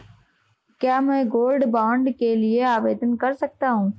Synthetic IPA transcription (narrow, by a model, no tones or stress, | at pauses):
kjaːmɛ̃ːɡoːlɖbãːɳɖkelɪeaːbeːd̪ənkəɾsək̚t̪aːɦũː